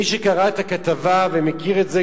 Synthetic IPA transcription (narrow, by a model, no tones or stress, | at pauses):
iʃekaʁaet̪akat̪avavemekiʁetze